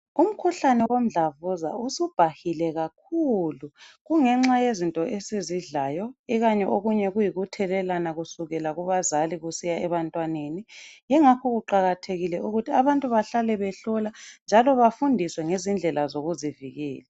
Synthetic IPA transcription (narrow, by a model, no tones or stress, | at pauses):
um̩kʰuɬanɛwom̩ɮavuza̰usub̥ʱahilɛɣak̚ʰuluɣuŋɛŋ͡ǁajezintʼɔʔesiziɮaːjɔiɣaɲɛʔoɣuɲɛɣujiɣutʰɛlɛlanaɣusuɣɛlaɣuβazaliɣusijaɛβantʼwanenijɛŋakʰɔɣuǃaɣatʰeɣilɛuɣutʰiaβantʼuβaɬalɛβɛɬɔland͡ʒʱalɔβafundʱiswɛŋezind͡ɮʱɛlazoɣuziviɣɛ̰ːla